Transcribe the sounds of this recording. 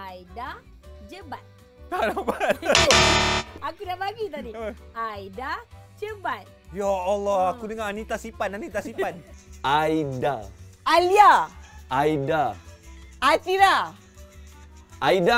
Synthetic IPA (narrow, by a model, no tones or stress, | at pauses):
ajda | d͡ʒəbat̪̚ | kanabat | akudaʔpaɡit̪̬adiəʔaidad͡ʒəbat̪̚jaɔlɔakudəŋaanit̪asipananit̪asipanʔajdaaliaʔaida | at̪ila | ʔaida